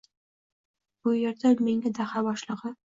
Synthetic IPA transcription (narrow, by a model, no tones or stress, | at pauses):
b̥ʊjeɾd̪ameŋʲad̪ahabɒʃlˠɨʁɨ